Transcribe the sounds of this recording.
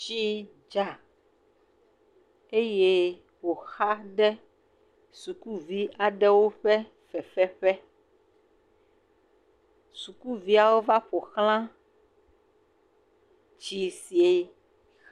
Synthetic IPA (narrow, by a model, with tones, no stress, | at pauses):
t͡ʃi˦ | d͡ʒa˨ | e˦je˦ | wo˨xa˦ɖɛ˦ | su˨ku˦vi˦a˨ɖɛ˦wo˦ɸɛ˦ | fɛ˨ɸɛ˦ɸɛ˦ | su˨ku˦vi˦a˨wo˦va˦ɸo˨xl̃ã˦ | d͡ʒi˨si˨e˨˦